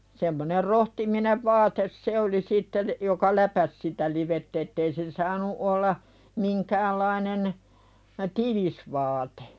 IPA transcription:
semːoner rohtimineʋ ʋɑːtes se oli sitːel jokɑ læpæs sitæ liʋetː etːei se sɑːnu olːɑ miŋkæːlːɑinen tiʋis ʋɑːte̥

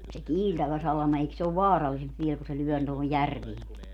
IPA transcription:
se kiːltæʋæ sɑlɑmɑ eik se oʋ ʋɑːrɑlːisemp ʋiel ku se lyœˑ tohoj jærʋieŋki

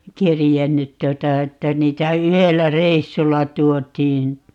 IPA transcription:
kerjenːyt tuotɑ etːæ niːtæ yhelːæ reisːulːɑ tuotˑiːn

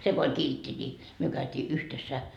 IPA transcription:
se ko olʲ kiltːi nʲi myø kæytʲiː yhtesːæ

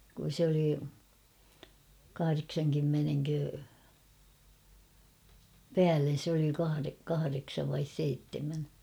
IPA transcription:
kun̞ se oli kɑhɑreksɑŋkymːeneŋkø pæːlːen̞ se oli kɑhɑre kɑhɑreksɑʋ ʋɑis seitːemæn

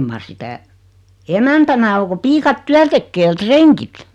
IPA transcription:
mɑr sitæ emæntænæ o ko piːkɑt tyæn tekːeː j̆ɑ̆ treŋkit

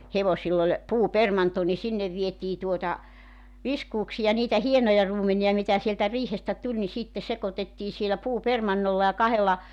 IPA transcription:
heʋosilː olʲ puːpermɑnto ni sinːeʋ ʋietiː tuotɑ ʋiskuːksijɑ niːtæ hienojɑ ruːmeniɑ mitæ sieltæ riːhestæ tulʲ ni sitːe sekotetːiː sielæ puːpermɑnːolːɑ jɑ kɑhelːɑ

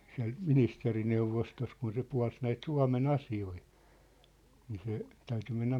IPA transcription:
siæ̝lt ministerineuʋostost kun se puɑ̝ls næit suɑ̝men ɑsioi niː se tæyty menːæ

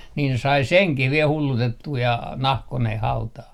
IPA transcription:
niːn se sɑi seŋkih ʋiel hulːutetːuː jɑ nɑhkoneh hɑutɑːh

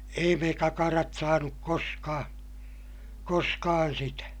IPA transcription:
ei me kɑkɑrɑt sɑːnuk koskɑː koskɑːn sitæ

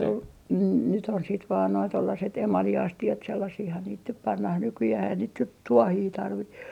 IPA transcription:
o nyt on siːt ʋɑːn noi tolːɑset emɑliɑstiɑt selːɑsihːɑn niːt nyp pɑnːɑh nykyjæh ei sit nyt tuohiː tɑrʋi

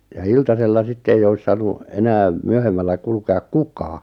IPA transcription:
jɑ iltɑselːɑ sitːe eij ois sɑːnu enæːm̆ myøhemːælːæ kulkeɑk kukɑː

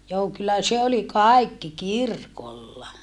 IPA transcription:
joː kylːæ se oli kɑˑi̯kːi kirkolːɑ

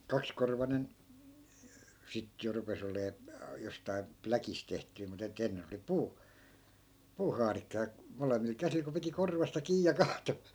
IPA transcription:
kɑkskorʋɑnen sit jo rupes oleː jostɑi̯ plækis tehtyi mut et enːen oli puː puːhɑːrikːɑ jɑ molemːil kæsil ko piti korʋɑstɑ kiː jɑ kɑːto

